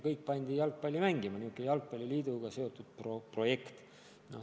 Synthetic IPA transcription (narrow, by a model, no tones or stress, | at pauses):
kɤjk̚pɑnʲd̪̥ʲijɑlk̚pɑlʲːumæŋɡimɑniuk̪ːˑejɑlk̚pɑlʲːiliːd̪̥uɡ̥ɑse̞o̞t̪ːˑud̪̥̚propro̞je̞kt̪ | no̰